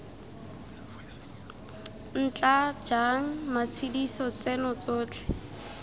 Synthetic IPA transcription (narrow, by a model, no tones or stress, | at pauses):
n̩t͡ɬad͡ʒaŋ̩masʰidisɔt͡sɛnɔt͡soːt͡ɬʰɛ̥